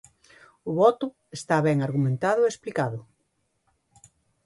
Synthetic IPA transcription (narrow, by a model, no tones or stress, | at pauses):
ʊβɔt̪ʊ | est̪aβɛŋaɾɣumẽnt̪að̞ʊeesplikaðʊ